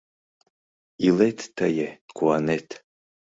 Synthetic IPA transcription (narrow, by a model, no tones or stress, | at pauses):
iletʰːɐjekʰuanetʰ